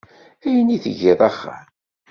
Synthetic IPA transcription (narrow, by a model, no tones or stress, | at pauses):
æjəniθəʝɪðˤɑχːa̰